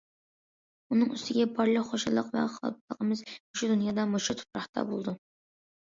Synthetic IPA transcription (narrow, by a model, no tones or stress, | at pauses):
unɨŋyst̪ʰɪɡʲɛbɑɾlˠəqχoʃɨlˠːəqvɛ̰χɑ̰l̚ˠlˠəqʰəmɨzoʃud̪unjɑd̪ɑmoʃut̪ʰʊ̥pɾɑχt̪ʰɑ̰bolˠɨd̪u